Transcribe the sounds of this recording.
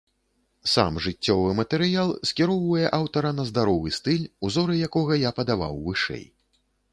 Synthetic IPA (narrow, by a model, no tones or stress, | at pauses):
sa̰mʐɨt͡sʲːɔvɨmɐt̪ɛɾɨjalˠsʲkʲiɾɔwvɐjɛʔawt̪ɐɾɐnɐzd̪aɾɔvɨst̪ɨlʲuzɔɾɨjakɔɣɐjapɐd̪ava̰wvɨʂɛ̰j